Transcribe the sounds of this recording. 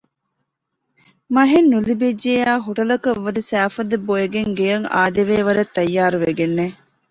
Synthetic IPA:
mɐɦenːulibed͡ʒːeaːɦuʈɐlɐkɐʋːɐd̪isæːfɐd̪eboeɡeŋɡejɐŋa̰ːd̪eʋeːʋɐɾɐt̪ːɐjːaːɾuʋeɡenːe

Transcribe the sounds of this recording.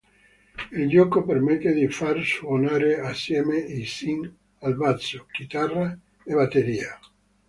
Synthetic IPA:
elʎɔkopeɾmet̪ed̪ifaɾswonaɾeasjɛmeisiŋ | albasokit̪ara | eβat̪eɾia

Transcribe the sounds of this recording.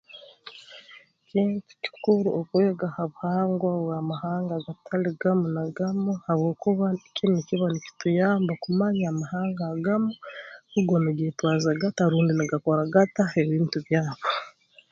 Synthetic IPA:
ciːntu̥ci̥kuɾuokweɡahaβuhaːŋɡwaβwamahaːŋɡaɡatʰaliɡamunaɡamuhaβwoːkuβakʰimiciβanici̥tujaːmbakumaɲaːmahaːŋɡaɡamuuɡoniɡetwaːzaɡataɾuːndiniɡakoɾaɡataeβiːntuβjaːβo

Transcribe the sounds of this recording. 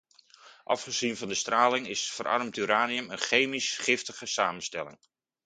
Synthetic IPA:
ʔɑ̰fχəzinvɑndəstraːlɪŋɪsfəɾʔɑ̰rmtyɾaːniəmənχejmisχɪftəχəsaːmənstɛlɪ̰ŋ

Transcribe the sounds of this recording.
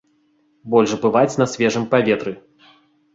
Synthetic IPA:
bɔlʲʐbɨvat͡sʲnɐsʲvʲɛʐɨmpavʲɛt̪ɾɨ

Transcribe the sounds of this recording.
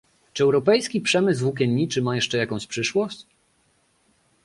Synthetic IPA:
t͡ʂɘɛwɾɔpɛjskʲipʂɛmɘzvukʲɛɲʲːit͡ʂɘmajɛʂt͡ʂɛjakɔ̃w̃ɕpʂɘʂwɔɕt͡ɕ

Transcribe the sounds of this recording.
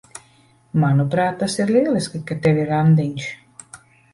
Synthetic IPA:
manupɾaːt̪̚ːasiɾlʲiɛlˠiskikat̪ɛvʲiɾand̪iɲʲʃ

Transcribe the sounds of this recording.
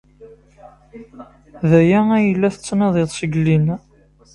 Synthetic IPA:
ðæjææjəlːæθət͡sːnæðˤeðˤsəɡlin

